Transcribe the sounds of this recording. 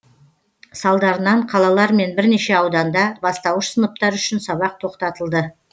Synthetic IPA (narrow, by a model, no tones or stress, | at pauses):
sɑlˠd̪ɑɾənɑɴqʰɑlˠɑlˠɑɾme̞nbɪɾne̞ʃe̞ɑwd̪ɑnd̪ɑbɑst̪ɑwəʃsənəp̚t̪ɑɾʏʃɪnsɑβɑq̚t̪ʰo̞qt̪ɑt̪əlˠd̪ə